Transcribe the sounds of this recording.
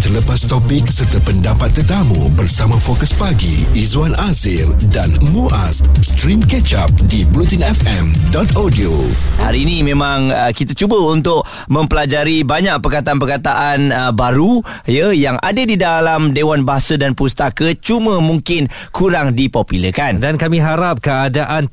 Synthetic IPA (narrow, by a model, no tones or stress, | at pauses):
t̪ələpast̪opikːə̥sərt̪apəndapat̪̚ːərt̪amṵbərsamãfokəspaɡḭizwanazɪldanmuʔasst̪ɾimkɛt͡ʃap̚dibɾut̪inɛfɛmdɔt̪adioha̰ɾiːnĩmẽmãŋəkit̪at͡ʃubəunt̪ʊʔ | mə̃mpəlad͡ʒaɾibaɲaʔ̚pərkat̪aanp̬ərkat̪aʔanbaɾu | jəjaŋʔa̰dədidalamdewanbaɦasadanpust̪akət͡ʃumə̃muŋkɪnkuɾaŋdipopiləkandankamĩɦaɾap̚kəadaʔan